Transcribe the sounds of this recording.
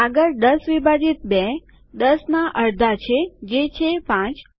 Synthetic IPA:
aɡəɾd̪əsʋibʱad͡ʒit̪̚be | d̪əsnaʔəɾd̪ʱat͡ʃʰed͡ʒet͡ʃʰepãt͡ʃ

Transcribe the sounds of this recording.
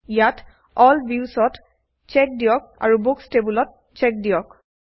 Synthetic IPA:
jat | ɔlbiusɔt | t͡ʃɛk̚diɔk̚a̰ɹubukstebulɔt̚ | t͡ʃɛk̚dijɔk

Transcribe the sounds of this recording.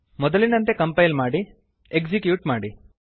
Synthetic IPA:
mɔd̪ɐlinɐnt̪e̞kɐmpɐjlmaːɽi | ekd͡ʒikjuːʈmaːɽi

